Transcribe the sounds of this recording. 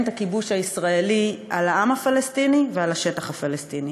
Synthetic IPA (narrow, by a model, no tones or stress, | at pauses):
nt̪akibuʃhaisʁaeliʔalaʔamafalestinivealaʃetaχhafalest̪ini